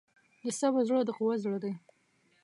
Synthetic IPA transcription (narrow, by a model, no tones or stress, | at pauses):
d̪əsabazɽod̪əquwazɽəd̪aj